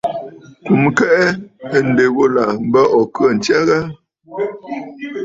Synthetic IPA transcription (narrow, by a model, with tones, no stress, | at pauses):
ku˨mkɛ˦ʔɛ˦ə˨n̩˨de˨ɣo˦la˨m̩˦bə˦ʔɔ˨kɰə˦˨n̩˨t͡ʃja˦ɣa˦